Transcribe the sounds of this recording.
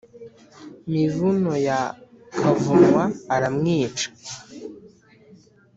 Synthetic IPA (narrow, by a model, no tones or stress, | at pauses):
mivunoja | kʰavumwaːɾamŋiːt͡ʃḁ